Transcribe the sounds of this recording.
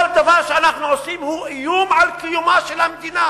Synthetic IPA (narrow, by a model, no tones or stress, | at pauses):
ld̪avaʁʃeanaχnuʕosimhuʕijumʕalkijumaʃelhamed̪ina